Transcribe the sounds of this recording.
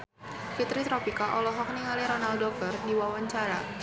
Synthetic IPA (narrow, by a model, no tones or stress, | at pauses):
fit̪ɾit̪ɾɔpikaʔɔlɔɦɔk̚niŋaliɾɔnaldɔk̚ərdiwawaɲt͡ʃaɾa